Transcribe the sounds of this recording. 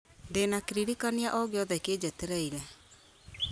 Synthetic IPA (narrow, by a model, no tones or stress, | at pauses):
ndenakeɾiɾikaniaʔɔɡeɔðɛked͡ʑɛteɾɛiɾɛ